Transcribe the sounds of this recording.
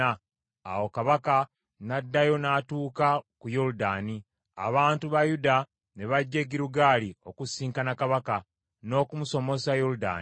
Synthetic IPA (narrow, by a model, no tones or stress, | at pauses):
a | a̰wo̞kaβaka | nadːajo̞naːtuːkakujoɾudaːni | a̰βaːntuβajuda | ne̞βaɟːe̞ɡiɾuɡaːlio̞kusiːŋkanakaβaka | no̞ːkumuso̞mo̞sajoɾuda̰ː